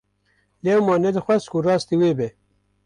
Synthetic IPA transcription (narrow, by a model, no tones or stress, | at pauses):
lewmɑːned̪əxwɐskuɾɑːst̪iweːbe